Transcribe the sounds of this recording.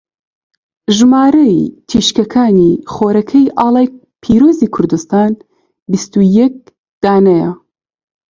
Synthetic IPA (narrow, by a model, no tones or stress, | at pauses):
ʒɨmaːɾɐjt̪ʰiʃkɐkʰaːniχoːɾɐkʰɐjʔɑːlˠaːj | pʰiːɾoːziːkʰʊɾd̪ust̪aːn | bist̪ujɛk̚ | d̪̥aːnɐjɐ